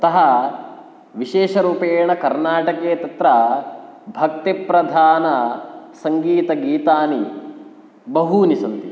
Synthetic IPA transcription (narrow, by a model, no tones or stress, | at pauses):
ɐt̪ɐɦɐ | ʋiʃeːʃɐɾuːpeːɳɐkɐɾnaːʈɐkeːɐt̪ɐt̪ɾɐ | bʱɐk̚t̪epɾɐd̪ʱaːnɐsɐŋɡiːt̪ɐɡiːt̪aːni | bɐɦunisɐnt̪i